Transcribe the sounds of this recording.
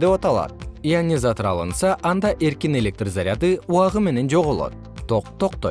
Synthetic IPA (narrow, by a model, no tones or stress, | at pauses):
d̪epɑt̪ɑlˠɑ̰t̪̚ianʲizat̪oɾɑ̰lˠɯnsɑʔɑnd̪ɑʔe̞ɾkine̞lʲe̞k̚t̪rzaɾʲɪat̪ɯuɑʁɯme̞ne̞nd͡ʒo̞ʁolˠo̰t̪ː | oqt̪o̞qt̪oj